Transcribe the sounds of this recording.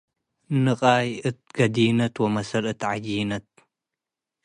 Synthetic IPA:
nɨqʼajʔɨt̪̚ɡ̥ɐd̪ijnɐt̪womɐsɐlɨt̪ʕad͡ʒijnɐt̪̚

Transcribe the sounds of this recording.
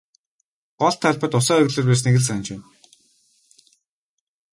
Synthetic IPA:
ɢɔɮt̪ʰːaɮpə̆t̪ʊsœːœɣɮĕːrpæːs̬neɣɘ̆ɮs̬ant͡ɕæːn

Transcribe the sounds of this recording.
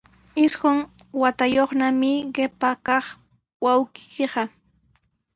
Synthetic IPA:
ɪsɢʊŋwat̪ajoχnamɪɢepakɑχ | wawkɪ̥keɢɑ

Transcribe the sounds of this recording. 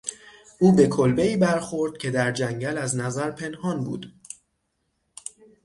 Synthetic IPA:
ʔuːbe̞kʰolbeiːbæɾxo̞ɾd̪̥̚cʰe̞d̪æɾd͡ʒæŋɟælæznæzæɾpʰe̞nhɒːnbṵːd̪̥

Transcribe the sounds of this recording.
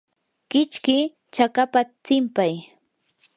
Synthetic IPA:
kɪt͡ʃkɪ | t͡ʃakapat͡sɪmpaj

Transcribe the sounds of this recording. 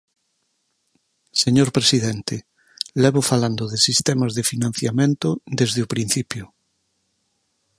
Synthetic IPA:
seɲoɾpɾesiðɛnt̪e | lɛβʊfaland̪oðesist̪ɛmazðefinãn̟θjamẽnt̪ʊd̪ezðeupɾin̟θipjʊ

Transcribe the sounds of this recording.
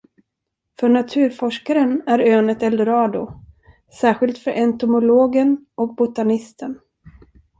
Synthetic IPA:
fœɳat̪ʰʉ̟ːɾfɔʂkaɾənæɾøːnət̪ɛld̪əɾɑːd̪ʊ | sæːɾɧɪlt̪fœɾʔɛnt̪ʊmʊloːɡənʔɔk̚bʊt̪anɪst̪ʰən

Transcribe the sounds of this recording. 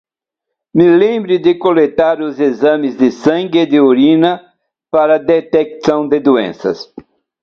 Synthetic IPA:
mɪlẽmbɾɪd̪ɪkolet̪aɾʊzezɐ̃mɪzd̪ɪsɐ̃ŋɡɪd̪ɪoɾĩnɐ | paɾɐd̪et̪eksɐ̃w̃d̪ɪd̪uḛ̃sɐ̰s

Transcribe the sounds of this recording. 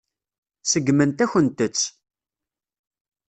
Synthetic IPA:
səɡːmənt̪æçənt̪ət͡sː

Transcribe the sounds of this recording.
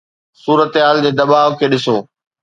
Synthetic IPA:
suːɾət̪ɦaːld͡ʑeːd̪ɐbaːɦokʰeːɗɪsoː

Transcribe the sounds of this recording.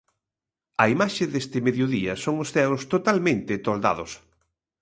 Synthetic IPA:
ɐimaʃɪðest̪ɪmeðjoðiɐsoŋʊsθɛwst̪ot̪almẽnt̪ɪt̪old̪a̰ðʊ̰s

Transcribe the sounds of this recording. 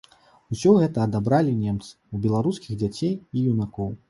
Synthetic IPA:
usʲɔɣɛt̪ɐːd̪abɾalʲinʲɛmt̪sɨ̥ubʲɛlˠaɾuskʲiɣd͡zʲat͡sʲejijunakɔw

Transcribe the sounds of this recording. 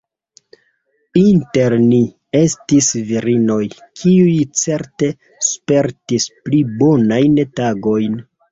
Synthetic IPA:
inte̞ɾni | e̞stisviɾino̞jkʰiujt͡se̞ɾte̞ | spe̞ɾtisplibo̞najntaɡo̞jn

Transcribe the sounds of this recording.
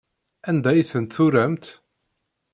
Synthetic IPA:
ænd̪æjθənt̪θuɾæmt̪

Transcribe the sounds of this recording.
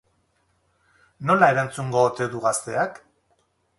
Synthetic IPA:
no̞lae̞ɾant͡suŋɡoːt̪e̞ðuɣast̪e̞ak

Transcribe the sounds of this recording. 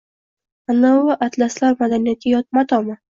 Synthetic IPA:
anawaʔat̪laslaɾmad̪anijat̪ʰɪjɒt̪̚mat̪ʰɒma

